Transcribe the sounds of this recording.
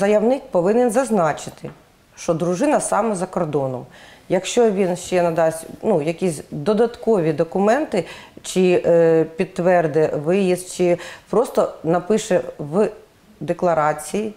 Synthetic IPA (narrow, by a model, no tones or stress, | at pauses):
zɐjɐwnɪk̚pɔʋɪnɛnzɐznɑt͡ʃɪt̪ɪ | ʃt͡ʃɔd̪ɾuʒɪnɐsɑmɛzɐkɔrd̪ɔnɔmjɐkʃt͡ʃɔʋʲinʃt͡ʃɛnɐd̪ɑsʲtʲnujɐkʲisʲd̪ɔd̪ɐt̪kɔʋʲid̪ɔkʊmɛnt̪ɪt͡ʃɪpʲit̪ːʋɛrd̪ɛʋɪjist͡ʃɪpɾɔst̪ɔnɐpɪʃɛʋ | d̪eklˠɐɾɑt͡sʲiji